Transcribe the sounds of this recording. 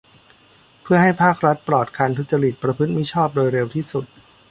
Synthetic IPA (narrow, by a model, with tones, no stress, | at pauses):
pʰɯ˥˩ɐɦa˥˩jpʰaː˥˩k̚ɾa˦˥t̪̚pɾɔː˨˩t̪̚kʰa˧nt̪ʰu˨˦t̪̚t͡ɕa˧ɾi˨˩t̪̚pɾa˧pʰɯ˦˥t̪̚mi˦˥t͡ɕʰɔː˥˩p̚doː˧jɾe˧wt̪ʰiː˥˩su˨˩t̪̚